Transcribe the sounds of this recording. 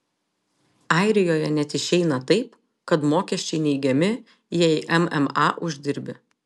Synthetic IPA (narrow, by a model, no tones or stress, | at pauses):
ɑˑɪɾʲɪjoːjɛnʲɛt̪ɪʃʲɛɪnɐt̪ɐɪp | kɐt̪moːkʲɛʃʲt͡ʃʲɛɪnʲɛɪɡʲɛmʲɪ | jɛɪʔɛmɛ̰mɑ̰ʔʊʒʲd̪ʲɪɾʲbʲɪ